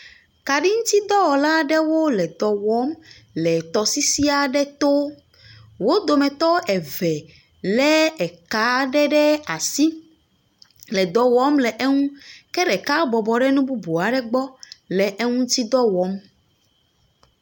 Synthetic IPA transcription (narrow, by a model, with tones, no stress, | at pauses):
ka˨ɖi˦ŋũ˦t̪i˦d̪ɔ˦wɔ˨la˦ɖɛ˦wo˦lɛ˨d̪ɔ˨wɔ˨˦m | lɛ˨t̪ɔ˨si˦si˦a˨ɖɛ˦t̪o˦ | wo˦d̪o˨mɛ̃˨t̪ɔ˦ɛ˨vɛ˨ | lɛ˦ɛ˨ka˨˦ɖɛ˦ɖɛ˦a˨si˦ | lɛ˨d̪ɔ˨wɔ˦mlɛ˨ʔɛ˦ŋũ˦kɛ˦ɖɛ˨ka˦bɔ˨bɔ˨ɖɛ˦nũ˦bu˦bu˨a˨ɖɛ˦ɡ͡bɔ˦lɛ˨ʔe˦ŋũ˦t̪i˦d̪ɔ˦wɔ˨˦m